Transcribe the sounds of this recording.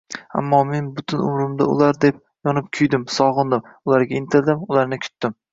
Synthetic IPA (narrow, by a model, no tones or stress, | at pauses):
a̰mːɒme̞nbʊt̪ʰɪnʊ̰mɾɪmd̪a̰ʊ̰lˠaɾd̪e̞p̚ | jɒnɪp̚kʲʰʊjd̪ɪmsɒʁɨnd̪ɪm | ʊlˠaɾɡʲaɪnt̪ʰɪɾd̪ɪmʊlaɾnɪkʲʰʊ̥t̪ːɪm